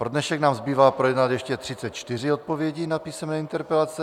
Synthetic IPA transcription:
pɾo̞dnɛʃɛknaːmzbiːvaːpɾojɛd̪nat̪jɛʃcɛt̪r̝̥ɪt͡sɛt̪t͡ʃt̪ɪr̝ɪot̪̚povjɛɟiːnapiːsɛmnɛːint̪ɛɾpɛlat͡sɛ

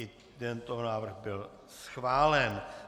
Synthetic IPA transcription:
ɪ | d̪ɛnt̪oɦonaːvr̩ɣbɪl | sxvaːlɛn

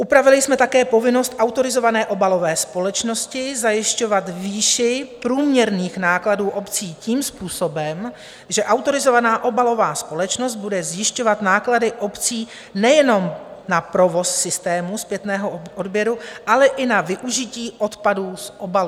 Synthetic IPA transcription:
ʔupɾavɪlɪsmɛt̪akɛːpo̞vɪno̞st̪ʔawt̪o̞ɾɪzo̞vanɛːʔo̞balo̞vɛːspo̞lɛt͡ʃno̞scɪzajɪʃco̞vat̪viːʃɪpɾuːmɲɛɾniːxnaːkladuːʔo̞pt͡siːciːmspuːso̞bɛm | ʒɛʔawt̪o̞ɾɪzo̞vanaːʔo̞balo̞vaːspo̞lɛt͡ʃno̞st̪̚budɛzjɪʃco̞vat̪naːkladɪʔo̞pt͡siː | nɛjɛno̞mnapɾo̞vo̞sːɪst̪ɛːmuspjɛt̪nɛːɦo̞ʔodbjɛɾuʔalɛʔɪnavɪʔuʒɪciːʔo̞t̪paduːsʔo̞balu

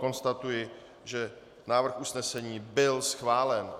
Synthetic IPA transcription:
ko̞nst̪at̪ujɪ | ʒɛ | naːvr̩xʔusnɛsɛɲiːbɪlsxvaːlɛn

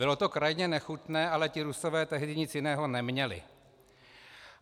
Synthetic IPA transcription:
bɪlo̞t̪o̞kɾajɲɛnɛxut̪nɛːʔalɛcɪɾuso̞vɛːt̪ɛɦdɪɲɪt͡sjɪnɛːɦo̞nɛmɲɛlɪ̰

